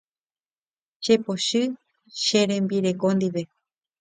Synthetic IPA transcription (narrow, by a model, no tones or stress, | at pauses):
ʃepoʃɨ | ʃeɾẽ̞mbiɾe̞kõ̞nd̪iʋe̞